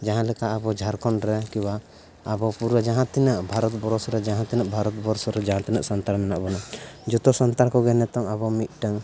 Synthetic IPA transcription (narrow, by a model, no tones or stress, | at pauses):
d͡ʒaɦãlɛkaʔabɔd͡ʒʱaɾkɔnɾɛkiwaː | bɔpuɾwad͡ʒaɦãt̪inəʔbʱaɾɔt̪bɔɾɔsɔɾɛd͡ʒaɦãt̪inəʔbʱaɾɔt̪bɔɾsɔɾɛd͡ʒaɦãt̪inəʔsant̪aɾmɛnaʔbɔnad͡ʒɔt̪ɔsɔnt̪aɾkɔɡɛnɛt̪ɔŋaβɔmit̪̚ˀʈəŋ